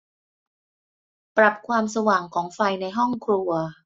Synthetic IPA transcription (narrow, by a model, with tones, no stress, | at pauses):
pɾa˨˩p̚kʰwaː˧msa˧waː˨˩ŋkʰɔː˩˦ŋfa˧jna˧jɦɔ˥˩ŋkʰɾu˧ɐ